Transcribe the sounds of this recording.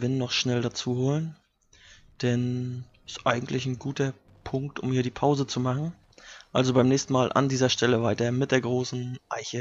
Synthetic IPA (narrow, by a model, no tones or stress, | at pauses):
vɪnːɔχʃnɛldat͡suːhoːlən | d̥ɛn | ɪstʔa̰ɪɡŋ̩tʰlɪçn̩ɡuːtɐ | pʰʊŋk̚tʔʊ̰mhiːɐɾiːpʰaʊzət͡sumaχn̩ | ʔalzobaɪmnɛːçstn̩maːlʔa̰ndiːzɐʃtɛləvaɪtɐmɪt̚d̥eːɐɡʁoːsn̩ʔa̰ɪçə